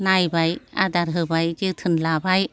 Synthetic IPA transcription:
najbaja̰d̪aɾɦɯbajt͡ɕɯt̪ʰɯnlabaj

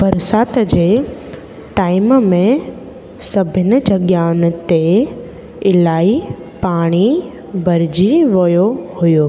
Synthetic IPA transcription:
bɐɾsaːt̪d͡ʑeː | ʈaːɪmmẽ | sɐbʱɪnɪ̆d͡ʑɐɡjaːnɪ̆t̪e | ɪlaːi | paːɽ̃i | bɐɾɪd͡ʑiʋɐjohʊjoː

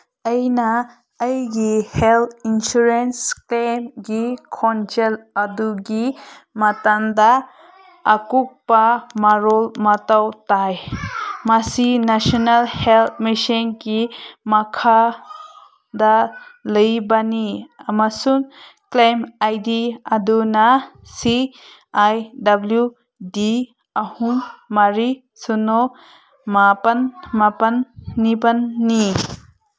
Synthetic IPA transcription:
əjnaː | jɡihelt̪insuɾensklemɡikʰɔnt͡ʃeladuɡi | matandaː | kuk̚pamaɾɔlmatawtajmasinasɔnalhelt̪̚miʃinɡimakʰa | daləjbaniamasuŋklajmajdiadunasi | ajdablju | di | ahuŋmːaɾi | sunɔ | mapanmapanːibanːi

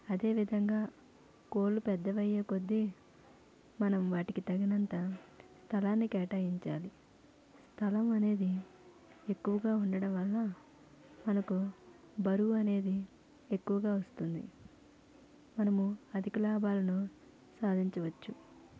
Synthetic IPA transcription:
ɐd̪e̞ːʋid̪ʱɐŋɡaː | ko̞ːlːupɛd̪ːɐʋɐjeːko̞d̪ːi | mɐnɐmʋaːʈikit̪ɐɡinɐnt̪ɐst̪ʰɐlaːnːikɛːʈaːjiɲt͡ʃaːli | st̪ʰɐlɐmɐne̞ːd̪i | e̞kːuʋɐɡaːuɳɖɐɽɐmʋɐlːɐ | mɐnɐku | bɐɾuɐne̞ːd̪i | e̞kːuʋɐɡaːʋɐst̪und̪ḭ | mɐnɐmuɐd̪ʱikulaːbaːlɐnu | saːd̪ʱiɲt͡ʃɐʋɐt͡ʃːu

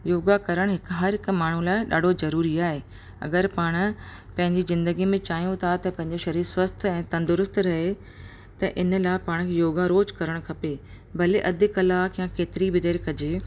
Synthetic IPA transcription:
joːɡakɐɾəɽ̃ɦɪkɦɐɾɦɪk̆maːɳ̤ũlaːɪɗa̰ːɖ̤ʱozɐɾuːɾiaːɦeː | ɐ̰ɡəɾpaːɽ̃̆ | pɐ̃ɦɪ̃ɲd͡ʑizɪ̃nd̪əɡimẽt͡ɕaːɦijũt̪ʰat̪ɐpɐ̃ɦɪ̃ɲd͡ʑoʃɐɾiːɾswəst̪ʰɛ̃ːt̪ɐ̃nd̪ʊɾʊst̪ɾɐɦe | t̪ɐʔɪnə̆laːɪpaːɽ̃kʰeːjoːɡaɾoːd͡ʑkɐɾəɽ̃kʰɐpe | bɐleʔɐd̪ɪkɐlaːkjãkeːt̪ɪɾibɪd̪eːɾkʰɐd͡ʑeː

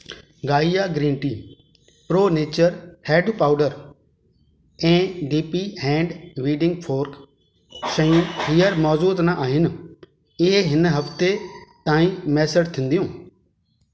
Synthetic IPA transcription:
ɡaːijaɡɾĩːɳʈiː | pɾoːneːt͡ɕəɾheːɖpaːʊɖəɾ | ɛ̃ːɖiːpiɦɛ̃ːɳɖʋiːɖɪ̃ŋɡpʰoːɾk | sɐ̃ĩɦiːjəɾmɔːzuːt̪naʔaːɦɪn̆ | ɪɦeɦɪnɦɐpt̪et̪ãːĩmɛːsed͡ʒt̪ʰĩːnd̪ijũː

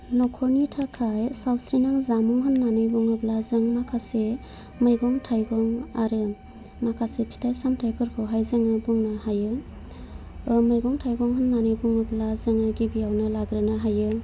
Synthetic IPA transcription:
nɔkʰɔɾnitʰakʰajsawsɾinaŋzamuŋɦɯnːanɯjbuŋɯblazɯŋmakʰase | mɯjɡɔŋtʰajɡɔŋaɾɯ | makʰasepʰi̥tʰajsamtʰajpʰɯɾkʰɯwɦajzaŋɯbuŋnahajɯ | mɯjɡɔŋtʰajɡɔŋɦɯnːanɯjbuŋɯblazɯŋɯɡibijawnɯlaɡɾɯnaɦajɯ

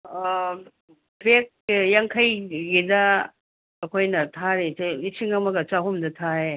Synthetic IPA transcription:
bek̚jaŋkʰɐjɡidɐː | kʰojnɐtʰaɾesnisiŋɐmɐɡɐt͡ʃaɦumdɐtʰae

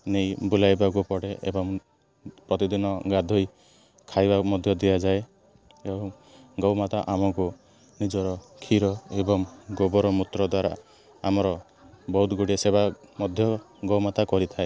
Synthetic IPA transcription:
nejbulajbak̬upɔɽeʔḛbɔŋ | pɾɔt̪id̪inɔɡad̪ʱɔj | kʰajbamɔd̪ʱjɔd̪ijad͡ʒae | eɔ | ɡɔwmat̪aʔamɔku | nid͡ʒɔɾɔkʰiɾɔebɔŋɡobɔɾɔmut̪ɾɔd̪waɾa̰ | amɔɾɔ | bɔɦut̪ɡuɽiesebamɔd̪ʱjɔ | ɡɔwmat̪akɔɾit̪ʰae

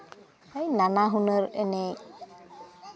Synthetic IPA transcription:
əjnanaɦunəɾəne

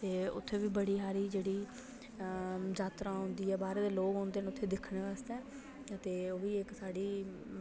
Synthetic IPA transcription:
t̪eːʊ̰t̪ʰːeːʋiːbəɽiːɦaːɾiːd͡ʒeːɽiː | d͡ʒaːt̪ɾãːɦʊ̃nd̪iːɛːbaːɾeːd̪eːloːɡɦõːnd̪eːnʊt̪ʰːeːd̪ɪkʰːneːʋaːst̪ɛː | ət̪eːoːʋiːɪksaːɽiː

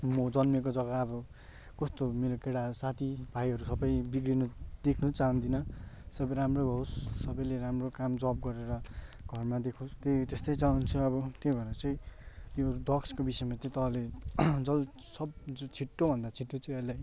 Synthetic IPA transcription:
mʌd͡zʌnmek̬od͡zʌɡaːbʌ | kʌst̪omeɾokeɽasat̪ʰibʱajɦʌɾusʌbʌjbikɽinʌd̪̥ekʰnut͡saɦund̪inʌsʌbʌjɾamrobʱʌɦosːʌbʌjleɾamrokamd͡zʌp̚ɡʌɾeɾʌ | ɡʱʌrmad̪ekʰost̪et̪est̪ʌjt͡saɦunt͡sʰuʌbʌt̪ejbʱʌɾat͡sʌĩjod̪ʌkskobisʌjmat̪ʌt̪ʌɦʌled͡zʌl | sʌbt͡sʰiʈːobʱʌnd̪at͡sʰiʈːot͡siʌlaj

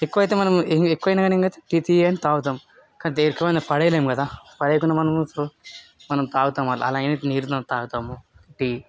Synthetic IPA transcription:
ekːuʋɐjt̪eːmɐnɐmeŋekːuʋɐjnaːɡɐneŋkɐjt̪eʈiːt̪iːɐnit̪aːwut̪̬aːmu | kant̪eɾkːɐʋɐnɐpɐɽejleːmukɐd̪aːpɐɽejkunːamɐnɐms | mɐnɐmt̪aːɡut̪aːmɐːlɐ̰ɐ̰laːniniːɾt̪ɐnt̪aːɡut̪aːmuʈiː

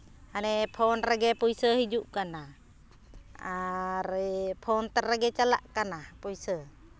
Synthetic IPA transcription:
anɛpʰɔnɾaɡɛpujsəhid͡ʒuʔkanah | aɾɛpʰɔnt̪araɡɛt͡ʃala̰ʔkanapɔisə

